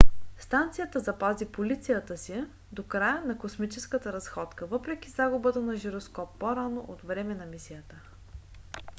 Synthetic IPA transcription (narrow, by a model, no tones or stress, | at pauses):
st̪ant̪sijət̪əzɐpazipolit̪sijət̪əsi | d̪okɾajənɐkosmit͡ʃɛskət̪əɾɐsxɔt̪kəvɤpɾɛk̟ʲizaɡʊbət̪ənɐʒiɾoskɔpːoɾanoʔot̪vɾɛmɛnɐmisijət̪ə